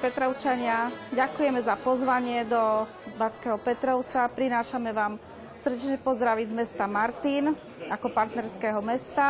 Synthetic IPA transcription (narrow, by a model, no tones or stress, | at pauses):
pɛt̪ɾɔʊt͡ʃaɲɪaɟakujɛmɛzapɔzʋaɲɪɛd̪ɔ | bat͡skɛːɦɔpɛt̪ɾɔʊt͡sapɾinaːʃamɛʋaːm | sr̩ɟɛt͡ʃɲɛpɔzd̪ɾaʋizmɛst̪amaɾt̪in | akɔpaɾt̪nɛɾskɛɦɔmɛst̪a